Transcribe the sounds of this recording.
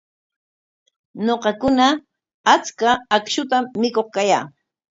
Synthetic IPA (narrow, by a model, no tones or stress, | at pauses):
noqɑkʊna | at͡skaːkʃʊt̪amːɪkoχkajaː